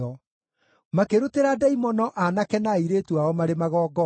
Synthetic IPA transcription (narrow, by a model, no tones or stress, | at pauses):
ɔ | makeɾuteɾadɛimɔnɔʔanakɛnaiɾetuaɔmaɾemaɣɔːɡɔ